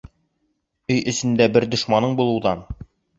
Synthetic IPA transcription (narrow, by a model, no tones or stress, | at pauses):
ɵjʔɵ̆sɘ̆nd̪æbɘɾd̪ŏʃmɑnɤɴbulˠɤ̆wðɑn